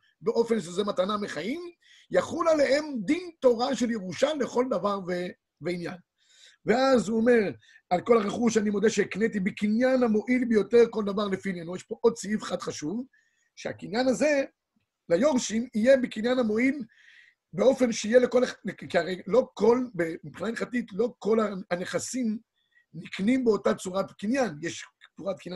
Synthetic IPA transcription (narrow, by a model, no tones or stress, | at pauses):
beʔo̞fe̞nʃezemat̪anameχaim | jaχulale̞ɦe̞md̪int̪o̞ʁaʃe̞ljeʁuʃalːe̞χo̞ld̪avaʁve | veinjan | ve̞azuome̞ʁ | alko̞laʁeχuʃanimo̞d̪eʃeiknet̪ibekinjanhamo̞ʔilbejo̞t̪e̞ʁko̞ld̪avaʁlefinenujeʃpo̞ʔod̪̚t͡siivχad̪χaʃuv | ʃea̰kinjanaze̞ | lajo̞ʁʃimije̞bekinjanamo̞il | beo̞fe̞nʃeijeleko̞lealekiaʁejlo̞ko̞lbemipχinaneχatitlo̞ko̞laaneχasim | niknimbeo̞tat͡suʁatkinjanjeʃt͡suʁat̪kinja